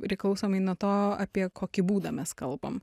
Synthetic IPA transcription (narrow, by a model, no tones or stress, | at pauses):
pʲɾʲɪklˠɐʊsoːmɐɪnuɔt̪oːɑːpʲiɛkoːkʲɪbuːd̪ɐːmʲɛskɐlˠbɐ̰m